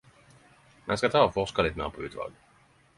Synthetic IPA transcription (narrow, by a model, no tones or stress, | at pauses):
mɛ̰nskat̪ʰɑːfɔʂkalɪt̪mḛːɾpʰɔʉ̟ːt̪vɑ̰ːɡ